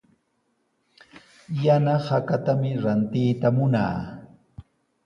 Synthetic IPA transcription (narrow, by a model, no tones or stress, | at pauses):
janahakat̪amɪɾant̪ɪjt̪amʊna̰ː